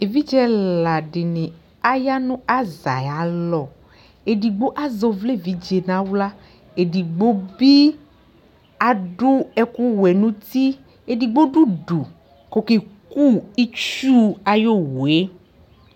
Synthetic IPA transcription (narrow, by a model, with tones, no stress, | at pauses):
e˨vi˦d͡ʒɛ˦lla˨ɖɪ˨nẽ˨ | a˦ja˦nũ˦a˦za˨ja˨˦lɔ˨ | e˨ɖi˨ɡ͡bo˦ʔa˦zɔ˨vle˦˨vi˦d͡ʒe˨nã˨˦wla˦ | e˨di˨ɡ͡bo˦bi˦ | a˨ɖu˦ɛ˦ku˦wɛ˨nũ˦t̪i˦ | e˨di˨ɡ͡bo˦ɖu˦ɖu˨ | ko˨ke˨ku˦i˦t͡ʃu˦a˨jo˦we˦